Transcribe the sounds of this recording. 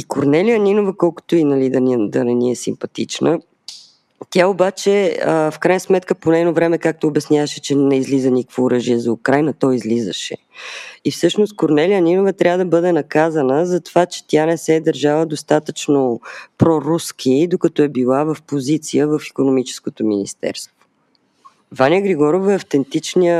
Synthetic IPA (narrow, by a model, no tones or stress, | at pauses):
ikoɾnɛliəninovəkɔlˠkʊ̥t̪oinɐlid̪ənd̪ɐnɛniɛsimpɐt̪it͡ʃnə | t̪ʲjaobat͡ʃɛəfkɾajnəsmɛt̪kəponɛnovɾɛmɛkak̚t̪oːbɛsnʲjavəʃɛt͡ʃɛnɛizlizənʲikəvoːɾɤʒiɛzɐukɾajnɐt̪ɔizlizə̰ʃɛ̰ | ifsɤʃnost̪̚koɾnɛliəninovət̪ɾʲavəd̪ɐbɤd̪ɛnɐkazənəzɐt̪ovat͡ʃɛ̥t̪ʲanɛsɛd̪əɾʒavəd̪ost̪at̪ət͡ʃnopɾɔɾuskʲʰid̪okɐt̪ɔɛbilˠavəfpozit̪sijəvəfi̥konomit͡ʃɛ̥skot̪omḭnḭst̪ɛ̰ɾst̪vo̥ | vaniəɡɾiɡɔɾovəɐft̪ɛnt̪it͡ʃniə